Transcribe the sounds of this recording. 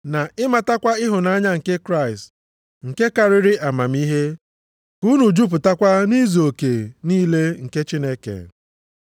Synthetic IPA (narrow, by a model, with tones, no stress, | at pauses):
na˨ɪ˦ma˨ta˦kʷa˦ɪ˦ɦʊ˨na˦ɲa˦ŋ̩˨ke˦kɾa˦˨ɪ˨st | ŋ̩˨ke˦ka˦ɾɪ˦ɾɪ˦ʔa˨ma˨m˦i˦ɦe˦ | ku˦nu˨d͡ʒu˦p̬ʊ˨ta˦kʷa˦ni˦zo˨ke˨niː˦le˦ŋ̩˨ke˦t͡ʃi˦ne˦kḛ˨